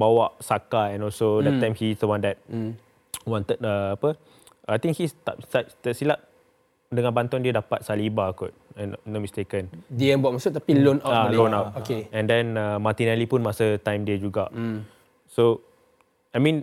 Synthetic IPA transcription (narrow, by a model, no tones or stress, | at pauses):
bawaʔsakaɛ̃nɔlsodɛt̪ːãj̃mhisdəwãndɛt̚ | wɔ̃nt̪ət̚əapə | ʔajt̪ĩŋkhist̪asadɛsilaʔ̚ | dəŋãnbant̪ɔ̃ndiədapat̚salibakɔt̚ɛnnomistekə̃ndiɛ̃nbuaʔ̚masut̪apilonaalonap̚okeɛ̃ndɛ̃nəmat̪inɛlipũnmasət̪ãj̃mdəd͡ʒuɡaʔ | so | ajmĩn